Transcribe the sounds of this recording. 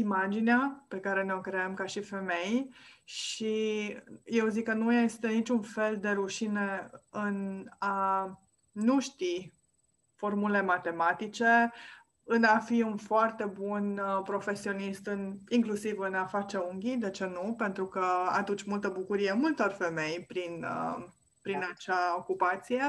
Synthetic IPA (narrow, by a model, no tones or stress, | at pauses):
imad͡ʒineape̞kaɾe̞neo̞kɾeəmkaʃife̞me̞jʃi | je̞wzikːənuje̞st̪e̞nit͡ʃʲunfe̞ld̪e̞ɾuʃine̞ɨnaː | uʃt̪i | fo̞rmulemat̪e̞mat̪it͡ʃe̞ | ɨnafiunfoart̪e̞bunpɾo̞fe̞sio̞nist̪ɨniŋklusivɨnafat͡ʃeuŋɡʲid̪e̞t͡ʃe̞nupe̞nt̪ɾukəa̰t̪ut͡ʃʲmult̪əbukuɾijemult̪o̞rfe̞me̞jpɾinə | pɾinat͡ʃao̞kupat̪sije̞